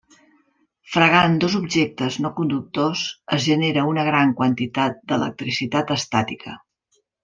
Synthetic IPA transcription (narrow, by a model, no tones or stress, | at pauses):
fɾəɣand̪ozubʒek̚t̪əznokund̪uk̚t̪ozəzʒəneɾəunəɣɾaŋkwənt̪it̪at̪̚d̪ələ̰k̚t̪ɾisit̪at̪əst̪at̪ikʰə